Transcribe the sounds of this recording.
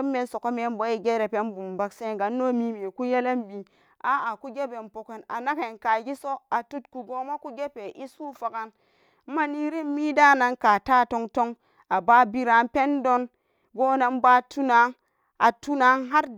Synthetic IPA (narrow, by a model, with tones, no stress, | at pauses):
mːe˨˦nso˨ko˦me˨˦n˦bo˨˦i˨ɡe˦ɾe˨pe˦nbu˨mba˨kse˦ɡa˨nːo˦mi˦me˨ku˦je˦le˦mbi˨ | a˦a˨ku˦ɡe˦be˨mpo˨ke˨na̰˨na˦ke˨nka˨ɡi˦so˦a˨tu˦tku˨ɡo˦ma˦ku˦ɡe˦pe˨ʔi˦su˦fa˨ka˦n˦ | ma˦ni˦ɾi˦mmi˦da˦na˨ŋka˨ta˦to˧ŋto˦ŋ | a˨ba˦bi˦ɾa˨˦npe˦ndo˦n | ɡo˦na˨nba˦tu˦na˨˦ŋ | a˨tu˦na˦ŋɦa˦ɾ